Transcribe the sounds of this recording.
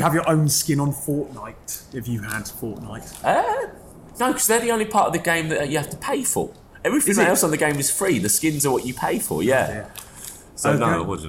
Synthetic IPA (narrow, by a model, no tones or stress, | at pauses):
əəvjəɹʔə̃ʊ̃nskɪ̃nə̃nfɔˑʔnaɪtɪfjəəd̥fɔˑʔnaɪtʌ | noʊkʰʌzðəðiə̃ʊ̃nlipʰɑˑtəvðəɡẽɪ̃mðəʔt͡ʃəhaftə̥pʰeɪfə̰ | ɛvɹifɪ̃ɛlˠsə̃nðəɡẽɪ̃mɪz̥fɹiːðəskɪ̃nzəwɒt͡ʃəpʰeɪfə̰jæ | soʊnoʊ̰wʌ̰